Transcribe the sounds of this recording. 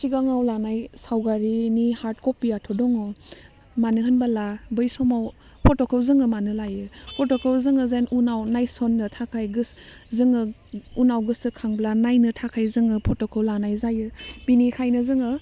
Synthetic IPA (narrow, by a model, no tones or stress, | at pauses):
siɡaŋawlanajsawɡaɾinihaɾt̚kɔpijatʰɔdɔŋɔ | manɯɦɯnbalabɯjsɔmaw | pʰɔtɔkʰɔwzɯŋɯmanɯlajɯpʰɔtɔkʰɔwzɯŋɯzanʔunawnajsɔnːɯtʰakʰajɡɯszɯŋɯunawɡɯsɯkʰaŋblanajnɯtʰakʰajzɯŋɯpʰɔtɔkʰɔwlanajzajɯb̥inikʰajnɯzɯŋɯ